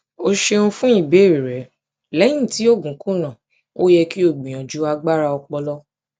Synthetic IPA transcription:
o˦ʃe˧ũ˧fũ˦i˦˨be˨˦˨ɾi˨ɾɛ˨˦ | lɛ̃˨˦ĩ˦˨ti˨˦o˦˨ɡũ˨˦kũ˦nã˦˨ | o˦jɛ˧ki˦o˦˨ɡ͡bĩ˨j̃ã˨d͡ʒu˨˦a˧ɡ͡ba˦ɾa˧ɔ˧k͡pɔ˧lɔ˦

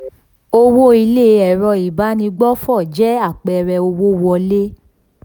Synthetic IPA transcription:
o˧wo˦i˧le˦ɛ˨ɾɔ˧i˨ba˨˦nĩ˧ɡ͡bɔ˦fɔ˦˨d͡ʒɛ˦a˦˨k͡pɛ˧ɾɛ˧o˧wo˦wɔ˧le˦

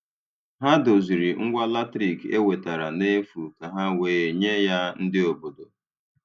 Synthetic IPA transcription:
ɦa˦do˨zi˨ɾi˨ŋ̩˦ɡʷa˦la˦tɾi˨kḛ˦we˨ta˨ɾa˨ne˦fu˨ka˨ɦa˦weː˦e˨ɲe˦ja˦n̩˦dɪ˦o˨bo˨do˨

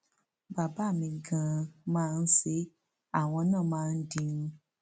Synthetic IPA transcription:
ba˨ba˨˦˨mĩ˧ɡã˧mãː˦˧n̩˦se˨˦ | a˦˨w̃ɔ̃˧nãː˦˨mãː˦˧n̩˦dĩ˧nũ˧

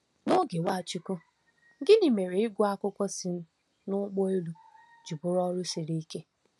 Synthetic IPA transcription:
nʊ˦ɡe˨wa˦˨t͡ʃi˨kʊ˦ | ɡɪ˦ni˨me˨ɾe˨ɪ˦ɡʷʊ˦a˦kʊ˦kʷɔ˦sɪ˨n̩˦ | nʊ˦ɡ͡bɔ˦e˦lu˨ | d͡ʒi˨bʊ˦ɾɔ˦ɾʊ˦si˨ɾi˦i˦ke˦

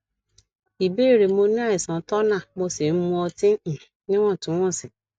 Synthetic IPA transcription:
i˨be˦˨ɾe˨mo˧nĩ˦a˦˨ɪ˨sɔ̃˨tɔ˦nã˦˨mo˧se˨n̩˦mũ˦ɔ˧tɪ˦˨ | nɪ̃˦wɔ̃˦˨tʊ̃˨˦wɔ̃˦˨sɪ˨

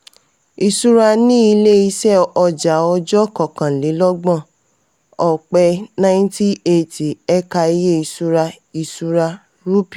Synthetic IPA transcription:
i˧su˦ɾa˧nĩ˦i˧le˦i˧sɛ˦ɔ˧d͡ʒa˨˦ɔ˧d͡ʒɔ˦kɔ˨kã˨le˨˦lɔ˦ɡ͡bɔ̃˦˨ | ɔ˨k͡pɛ˧nã˦nti˦e˦ti˨ɛ˦ka˧i˧je˦i˧su˦ɾa˧ | i˧su˦ɾa˧ | ɾu˦pi˨

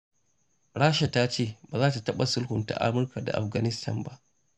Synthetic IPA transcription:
ɽaː˦ʃa˨ta˦t͡ʃeː˦˨baː˨zaː˦ta˨tɐ˦ɓa˨sʊ˦lhʊ˨nta̰˨ʔa̰˦mʊ˦rka˨da̰˨ʔa˨ɸɡa˨nɪ˦stʰɐ̰˨mba˦ʔ

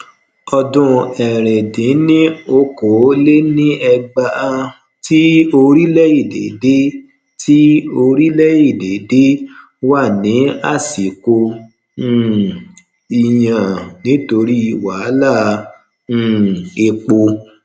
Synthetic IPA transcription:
ɔ˧dũ˧ɛ˨ɾɛ˨dĩ˨˦nĩ˦o˧ko˨˦le˦nĩ˦ɛ˧ɡ͡ba˧ʔa˧ | ti˦o˧ɾi˦lɛ˦i˦˨de˨de˦ | ti˦o˧ɾi˦lɛ˦i˦˨de˨˦de˦ | wa˦˨nĩ˨˦a˦˨si˨kõ˧˦ | i˧jã˨nĩ˨˦to˧ɾi˦i˧wa˨˦lã˦˨˦ | e˧k͡po˧

